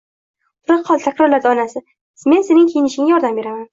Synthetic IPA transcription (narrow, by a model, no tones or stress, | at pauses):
ʊɾɨqʰːɒlˠt̪ʰakʲɾɒɾlaɾd̪aɒnasɪ | me̞nse̞nɪŋkʲʰejɪnɪʃɪŋajɒɾd̪ambeɾaman